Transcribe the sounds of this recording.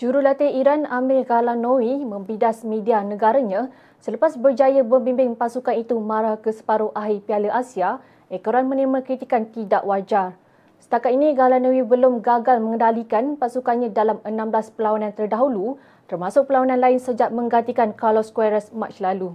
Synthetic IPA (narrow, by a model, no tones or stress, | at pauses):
d͡ʒuɾulat̪eiɾanamɪlɡalanowimə̃mbidasmĩdianə̃ɡaɾaɲã | sələpasbərd͡ʒajəbəbimbɪŋpasukanit̪umãɾakəsə̥paɾoʔaɦipialəʔasia | ɛkəɾanmə̃nimakɾit̪ikant̪idaʔwad͡ʒar | sə̥t̪akat̪iniɡalanõwibəlʊmɡaɡalmə̃ŋəndalikanpasukanɲãdalamənãmblaspəlawanãnt̪ərdaɦulu | t̪ərmãsʊk̚pəlawanãnlaɪnsəd͡ʒaʔmə̃ŋɡant̪ikankarlɔskwɛɾəsmat͡ʃlalu